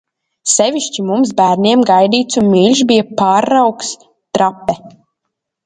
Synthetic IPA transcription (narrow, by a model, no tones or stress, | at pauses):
sɛviʃt͡ʃimumsbæːɾnʲiɛmɡajd̪iːt̪sunmilʲʃbijapaːɾːawks | t̪ɾapːɛ